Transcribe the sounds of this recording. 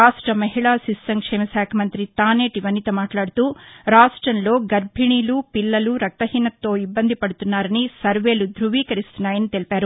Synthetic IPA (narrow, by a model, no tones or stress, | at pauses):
aːʂʈɾɐmɐɦiɭaːsisːɐŋkʂɛːmɐsaːkʰɐmɐnt̪ɾit̪aːne̞ːʈiʋɐnːit̪ɐmaːʈlaːɽut̪uːɾaːʂʈɾɐnlo̞ːɡɐɾbʱiɳiːlupilːɐluɾɐk̚t̪ɐɦiːnɐt̪ːo̞ːibːɐnd̪ʱipɐɽut̪unːaːɾɐnisɐɾʋe̞ːlud̪ɾuʋiːkɐɾist̪unːaːjɐnit̪elipaːɾu